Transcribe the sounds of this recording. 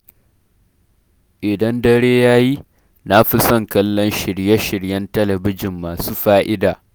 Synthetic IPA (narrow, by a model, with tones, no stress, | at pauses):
ʔɪ˨dɐ˦ndɐ˦ɽeː˦jaː˦ji˦ | na˦ɸi˨sɐ˦˨ŋkɐ˦lːɔ˦nʃɪ˨ɽjɐ˦ʃɪ˨ɽjɐ˦ntɐ˦lɐ˨bɪ˦d͡ʒɪ˨mːaː˨suː˦ɸaː˦ʔɪ˦daː˨